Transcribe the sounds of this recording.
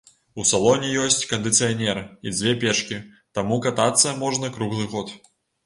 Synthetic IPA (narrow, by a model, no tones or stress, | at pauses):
usalˠɔnʲijɔsʲt͡sʲkɐnd̪ɨt̪sɨjanʲɛɾɨid͡zʲvʲɛpʲɛt͡ʂkʲi | t̪amukat̪at̪sːɐmɔʐnɐkɾuɣlˠɨɣɔt̪